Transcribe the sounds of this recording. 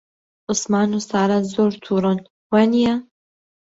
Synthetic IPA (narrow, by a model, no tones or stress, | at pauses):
ʔʊsmɑːnusaːɾazoːɾt̪ʰuːɾɨn | wɛnija